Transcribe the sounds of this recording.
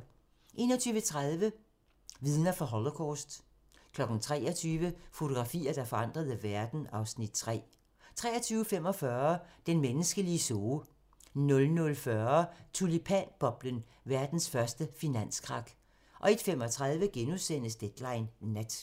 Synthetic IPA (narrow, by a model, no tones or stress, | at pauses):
ʔe̝̰ːnɒ̽t͡sʰyːʋət͡sʰʁað̞ˠʋə | ʋiðˠnɐfɒɦɒlokʰɒːsd̥ | kʰlɒ̽ɡ̥n̩t͡sʰʁɛ̰ːɐt͡sʰyːʋəfo̝t͡sʰo̝ɡ̥ʁɑ̈fḭːɐd̥ɑ̈fɒ̽ɑ̈n̰d̥ʁɐð̞ˠæʋæɐd̥n̩ɑ̈ʊsnid̥̚t͡sʰʁɛ̰ː | t͡sʰʁɛ̰ːɐt͡sʰyːʊəfem̰ɒ̽fɶːɐd̥enmenəsɡ̥əliəsoː | nɔ̽lnɔ̽lfɶɐt͡sʰulipʰænb̥ɒ̽b̥lən | ʋæɐd̥n̩sfɶɐsd̥əfinæn̰skʰʁɑ̈ɡ̥ | ʔɒ̽e̝d̥fem̰ɒ̽t͡sʰʁað̞ˠʋəɡ̥enusen̰əsd̥ed̥lɑ̈ɪnːæd̥